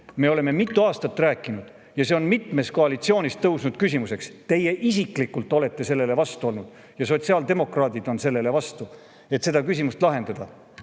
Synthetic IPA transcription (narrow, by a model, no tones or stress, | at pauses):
me̞o̞le̞me̞mit̪ːˑuɑːst̪ɑt̪ːˑræːkːˑinud̪̥ | jɑse̞o̞nmit̪ˑme̞st̪ko̞ɑlit̪sio̞ːnist̪ːɤwsnud̪̥̚kysʲimuse̞kst̪e̞je̞ʔisiklikːˑult̪ːˑo̞le̞t̪ˑːe̞se̞lːe̞le̞vɑst̪uo̞lnud̪̥ | jɑso̞t̪siɑld̪e̞mo̞krɑːd̪̥id̪̥o̞nse̞lːe̞le̞vɑst̪u | e̞t̪se̞d̪ɑkysʲimust̪lɑɦe̞nd̪̥ɑd̪̥ɑ